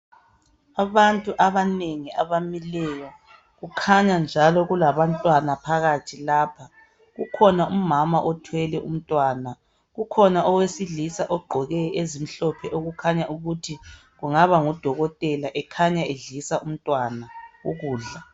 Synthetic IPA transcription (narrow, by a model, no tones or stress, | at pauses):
aβantʼuʔaβaneŋiaβamilɛjɔ | ɣukʰaɲand͡ʒʱalɔɣulaβantʼwanapʰaɣatʰilaːpʰa | ɣukʰɔnaumamaʔɔtʰwɛlɛʔṵm̩tʼwana | ɣukʰɔnaʔɔwesiɮisaʔɔɡ͡ǃʱɔɣɛezim̩ɬɔpʰɛʔoɣukʰaɲaʔuɣutʰi | ɣuŋaβaŋɔd̥ʱɔɣɔtʼɛlaʔɛkʰaɲaeɮisaʔum̩tʼwanauɣuːɮa